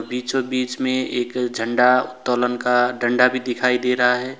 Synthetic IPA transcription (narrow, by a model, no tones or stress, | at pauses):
biːt͡ʃɦobiːt͡ʃmẽeːkd͡ʒʱə̃ɳɖaʊt̪ːɔːlənkaɖʱə̃ɳɖabʱid̪ɪkʰaːid̪eːɾəɦaɦɛː